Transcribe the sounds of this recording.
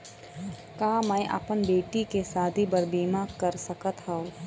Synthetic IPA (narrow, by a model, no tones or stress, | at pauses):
kaːmɛ̃ʔa̰pənbeːʈikesaːd̪ʱibɐɾbiːmaːkəɾsɐkət̪ɦao